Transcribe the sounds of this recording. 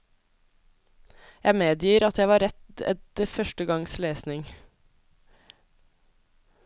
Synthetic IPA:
jæɪmeːd̪jiːɾɑt̪jæɪʋɑːɾɛt̪ɛ̰t̪̚əfœʃʈəɡɑŋsleːsnɪŋ

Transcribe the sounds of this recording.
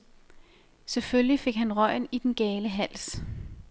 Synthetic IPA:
seføljife̝ɡ̥ɦænʁɒɪ̰nid̥enɡ̥ɛːləɦæl̰s

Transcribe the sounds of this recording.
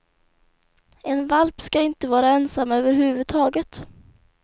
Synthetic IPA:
ɛnvalpskaɪnt̪əvɑːɾaɛnsamːøːvəɾɦʉ̟ːvɵd̪̚t̪ʰɑːɡət̪

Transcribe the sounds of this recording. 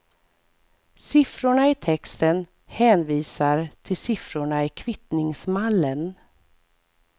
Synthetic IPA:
sɪfɾʊɳaɪt̪ʰɛkst̪ən | hɛːnviːsaɾt̪ʰɪlsɪfɾʊɳaɪkʰvɪt̪nɪŋsmalːən

